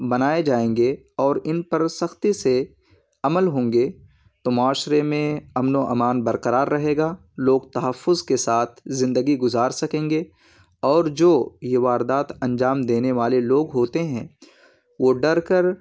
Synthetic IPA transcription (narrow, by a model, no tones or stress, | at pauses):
bɐnaːed͡ʒaːẽːŋɡe | ɔːɾɪnpɐɾsɐxt̪ise | ɐməlɦõːŋɡeː | t̪omʊaːʃɾemẽɐmnoʔɐmaːnbɐɾqəɾaːɾːɐɦeːɡaː | loːɡt̪ɐɦəfːʊzkesaːt̪ʰzɪ̃nd̪əɡiɡʊzaːɾsɐkẽːŋɡeː | ɔːɾd͡ʒoːjeʋaːɾd̪aːt̪ʰɐ̃ɲd͡ʒaːmd̪eːneʋaːleloːɡɦoːt̪eɦɛ̃ | ʋoːɖɐɾkəɾ